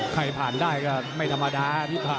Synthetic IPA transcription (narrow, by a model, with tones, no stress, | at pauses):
kʰa˧jpʰaː˨˩ndaː˥˩jkɔː˥˩ma˥˩jt̪ʰa˧mːa˧daː˧t̪ʰiː˥˩kʰaː˧˩